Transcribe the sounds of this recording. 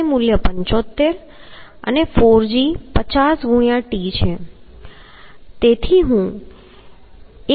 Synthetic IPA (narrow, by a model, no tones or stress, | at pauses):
emuljəpəɲt͡ʃot̪ːeɾ | ə̰nefoɾd͡ʒipət͡ɕasɡʱuɽ̃jãʈit͡ʃʰe | t̪et̪ʰiɦũ | e